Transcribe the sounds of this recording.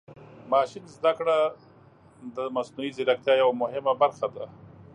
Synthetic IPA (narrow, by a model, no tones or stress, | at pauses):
mɑːʃɪnzd̪akɽa | d̪əmasnuizɪɾakt̪jɑjawamʊhɪmabaɾxad̪a